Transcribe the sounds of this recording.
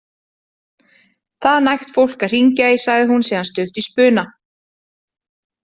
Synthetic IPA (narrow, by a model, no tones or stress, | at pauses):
θaðnajxt̪fowl̥kar̥iɲcaisaɣðɪɦunsɛːðanst̪œht̪ispʏːna